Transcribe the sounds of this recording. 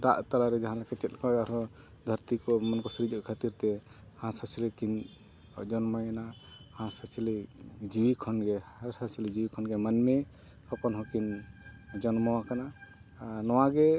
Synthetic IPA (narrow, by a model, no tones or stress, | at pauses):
d̪a̰ʔt̪alaɾɛd͡ʒaɦãlakɛt͡ʃɛt̪̚kɔaɾɔ | d̪ʱəɾt̪ikɔmɔnkɔsɾid͡ʒɔʔkʰat̪iɾt̪ɛ | hãsasilikin | d͡ʒɔnmɔjanahãsasilid͡ʒiwikʰɔnɡɛaɾsasilid͡ʒiwikʰɔnɡɛmanmɛ | hɔkɔnɦɔ̃kin | d͡ʒɔnmɔwakana | nɔwaɡɛ